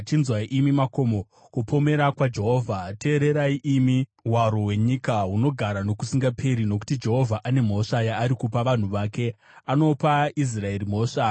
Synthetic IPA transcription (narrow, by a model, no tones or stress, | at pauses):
t͡ʃinzwaiʔimimako̞mo | kupo̞me̞ɾakwad͡ʒe̞ɦo̞ːvʱate̞ːɾe̞ɾaiʔimiɦwaɾo̞ɦwe̞ɲikaɦuno̞ɡʱaɾano̞kusiŋɡapʰe̞ɾino̞ku̥tid͡ʒe̞ɦo̞vʱaʔane̞m̤o̞ʂajaːɾikupaʋan̤uʋake̞ | ano̞pais̬rae̞rim̤o̞ːʂa